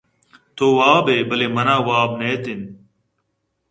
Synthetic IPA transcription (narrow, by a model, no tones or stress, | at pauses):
t̪ʰoːʋaːbeːbəleːmənãːʋaːbneːt̪ɪn